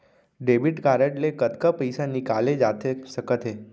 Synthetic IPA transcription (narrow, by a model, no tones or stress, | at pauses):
ɖebiʈkaɾəʈlekət̪kapəjsanikaled͡ʒat̪ʰesəkət̪ʰe